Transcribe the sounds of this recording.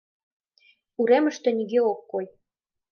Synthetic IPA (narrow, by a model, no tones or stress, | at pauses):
uɾemə̆ʃt̪ĕniɣeokːoj